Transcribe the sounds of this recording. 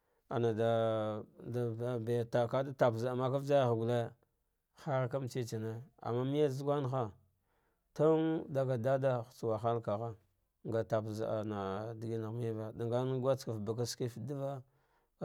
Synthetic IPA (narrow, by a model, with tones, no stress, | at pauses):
a˨na˨da˨ | da˨ba˨jta˨ka˦da˦ta˨pza˨ma˦ka˦vd͡ʒa˦jɣɡu˨le˦ | xa˦ɾka˦m˦t͡ʃi˦t͡ʃi˨ne˦a̰˨mːa˦mi˦ja˦zu˦ɡʷa˦nxa˦ | to˦ŋda˦ɡa˨da˦da˦xt͡su˨wa˨xa˦lka˨ɣa˦ | ŋɡa˨ta˨pza˨na˨di˨ɡi˦na˨ɣm˦a˦va˦da˨ŋɡa˦n˦ɡʷa˦t͡ska˨fba˨k̬a˦ski˦fdi˦va˦